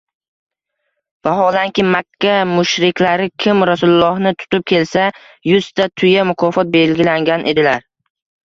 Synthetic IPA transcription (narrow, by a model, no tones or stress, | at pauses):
vaɦɒlaŋkʲɪmakʲʰːamʊʃɾɪkʲlaɾɪkʲʰɪmɾasʊlʊlˠːɒhnɪt̪ʰʊ̥t̪ʊp̚kʲʰe̞lsa | jʊst̪ʰat̪ʰʊjamʊkʰɒfɒt̪̚be̞lɡʲɪlaŋɡʲanʔe̞d̪ɪlaɾ